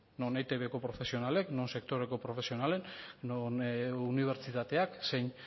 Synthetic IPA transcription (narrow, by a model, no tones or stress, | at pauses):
no̞nejt̪eβeko̞pɾo̞fe̞sio̞nale̞kno̞nse̞kt̪o̞ɾe̞ko̞pɾo̞fe̞sio̞nale̞nnonuniβ̞e̞ɾt͡ʃit̪at̪e̞aksejɲ